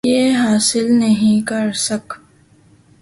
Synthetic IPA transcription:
jeɦaːsɪlnɐɦĩkɐɾsɐk

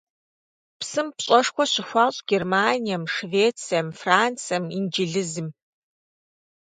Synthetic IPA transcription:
psɨmpɕʼɐʂxʷɔɕɪxʷɑːɕʼɡ̥ermaːnijɐmʂveːt͡sʰijɐmfraːnt͡sʰɐmind͡ʒiɮɨzɨm

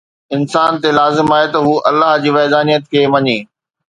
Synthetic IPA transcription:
ɪnsaːnt̪elaːzɪmaːɦet̪ɐɦuːʔɐlːaːɦd͡ʑiːʋɛːd̪aːnijət̪kʰeːʋɐɲeː

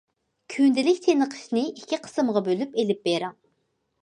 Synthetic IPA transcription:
kʲʰynd̪ɪlɪkʲt̪ʰenəqʰə̥ʃnɨɪikʲʰːiqʰə̥sɨmʁɑbølypelɪp̚beɾɑŋ

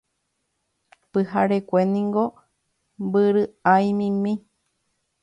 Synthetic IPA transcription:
pɨhaɾekʷenĩŋɡo | mbɨɾɨajmĩmĩ

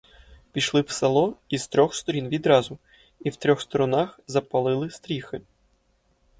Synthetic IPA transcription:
pʲiʃlˠɪwsɐlˠɔizt̪ɾʲɔxst̪ɔɾʲinʋʲid̪ɾɑzʊ | iwt̪ɾʲɔxst̪ɔɾɔnaxzɐpɐlˠɪlˠɪst̪ɾʲixɪ

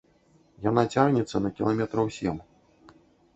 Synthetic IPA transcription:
jan̪at͡sʲarnʲɛt̪sːɐnɐkʲilˠamʲɛt̪ɾɐwsʲɛm

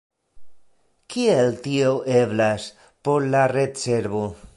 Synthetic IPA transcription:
kieltioʔeblas | po̞ɾlaɾet͡seɾbo

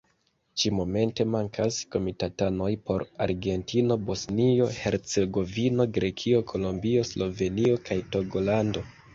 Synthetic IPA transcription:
t͡ʃimo̞me̞nte̞maŋkʰasko̞mitatano̞jpo̞ɾa̰ɾɡe̞ntino̞bo̞snio̞he̞ɾt͡se̞ɡo̞vino̞ɡɾe̞kʰio̞kʰo̞lombio̞slo̞ve̞nio̞kʰajto̞ɡo̞lando̞

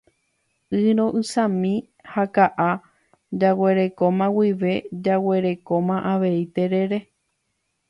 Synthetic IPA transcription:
ɨɾ̃õ̞ʔɨsãmĩ | hakaʔa | d͡ʒawe̞ɾe̞kõ̞mãwiʋe̞d͡ʒawe̞ɾe̞kõ̞mãʔaʋe̞it̪e̞ɾe̞ɾe̞

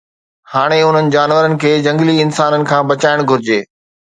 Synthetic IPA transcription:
haːɽ̃eʊn̤ənɪ̆d͡ʑaːnʋəɾənɪ̆kʰeːd͡ʑɐ̃ŋɡliɪnsaːnənɪ̆kʰãːbɐt͡ɕaːɪɽ̃ɡʱʊɾɪd͡ʑeː

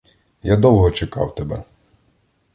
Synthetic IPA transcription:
jad̪ɔwˠɦɔt͡ʃekɑ̰wt̪ɛbɛ̰

